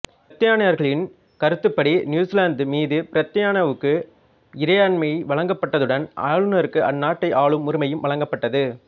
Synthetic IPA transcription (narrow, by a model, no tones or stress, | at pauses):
pɐt̪ːɪjaːnɐjɐɾɣɐɭɪn | kɐɾɯt̪ːɯpːɐɽinjuːslaːnd̪ɯmiːðɯpɪɾɐt̪ːɐjaːnɐʋɯkːɯ | ɪɾɐjaːnmɐʋɐɭɐŋɡɐpːɐʈːɐðɯɽɐnʔɐ̰ːɭɯnɐɾɯkːɯʔɐnːaːʈːɐɪʔaːɭɯmːʊɾɪmɐjɯmʋɐɭɐŋɡɐpːɐʈːɐðɯ